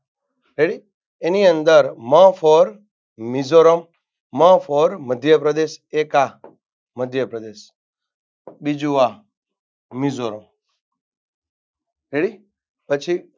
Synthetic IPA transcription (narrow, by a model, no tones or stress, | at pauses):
ɾeɽi | eniə̃nd̪əɾmãfɔɾ | mizoɾəm | mãfʰɔɾməd̪ʱjəpɾəd̪eːseːka | məd̪ʱjəpɾəd̪eːʃ | bid͡ʒuʋa | mizoːɾəm | ɾeɽi | pət͡ʃʰi